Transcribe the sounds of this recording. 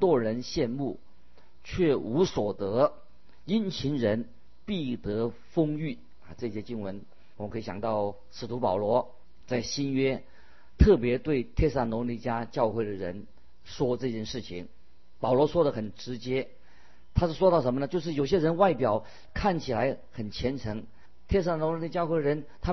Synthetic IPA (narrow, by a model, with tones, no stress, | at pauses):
t̪wɔ˥˩ɻə˧˥nɕjɛ˥˧nmu˥˩ | t͡ɕʰɥɛ˥˩u˧˥swɔ˨˩t̪ɤ˧˥ | i˥nt͡ɕʰi˧˥nɻə˧˥n | pi˥˩t̪ɤ˧˥ | fʊ˥ŋy˥˩˨ | ʈ͡ʂɤ˥˧i˥˩ɕɛ˥t͡ɕi˥ŋwə˧˥n | wɔ˨˩mə˦ŋkʰɤ˧˥i˧˩ɕjɑ̰˨˩ŋt̪ɑ˥˩ʊ | ʂɻ̩˧˩t̪ʰu˧˥pɑ˨˩ʊlwɔ˧˥ | t͡sa˥˩ɪɕi˥nɥɛ˥ | t̪ʰɤ˥˩pjɛ˧˥t̪we˥˧ɪt̪ʰjɛ˥˧sa˥˩nlwɔ˧˥li˧˥˩t͡ɕja˥t͡ɕjɑ˥˧ʊxwe˥˩ɪd̪ə˩ɻə̰˧˥n | ʂwɔ˥ʈ͡ʂɤ˥˧t͡ɕjɛ˥˧nʂɻ̩˥˩t͡ɕʰi˨˩ŋ | pɑ˨˩ʊlwɔ˧˥ʂwɔ˥ɾə˨xə˨˩nʈ͡ʂɻ̩˧˥t͡ɕjɛ˥ | t̪ʰa˥ʂɻ̩˥˩ʂwɔ˥t̪ɑ˥˩ʊʂə˧˥nmə˧nə˧t͡ɕo˥˧ʂɻ̩˥˩jo˨˩ʊɕ̬jɛ˥ɻə˧˥nwa˥˩ɪpjɑ˨˩ʊ | kʰa˥˩nt͡ɕʰi˨˩la˧˥ɪ | xə˨˩nt͡ɕʰjɛ˧˥nʈ͡ʂʰɤ˧˥ŋ | t̪ʰjɛ˥˧s̬a˥˩nɔ˧˥nlli˥t͡ɕjɑ˥˧xwe˥˩ɪə˩ɻə˧˥nt̪ʰa˥